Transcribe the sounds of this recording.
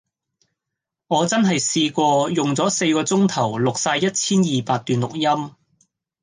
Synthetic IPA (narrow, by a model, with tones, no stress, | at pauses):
ŋɔː˨˧t͡sɐ˥nɦɐ˨jsiː˧kʷɔː˧jʊ˨ŋt͡sɔː˨˥se˧jkɔː˧t͡sʊ˥ŋt̪ʰɐ˨˩wlʊ˨k̚saː˧jɐ˥t̚t͡sʰiː˥njiː˨˩paː˧t̚t̪yː˨nlʊ˨k̚jɐ˥m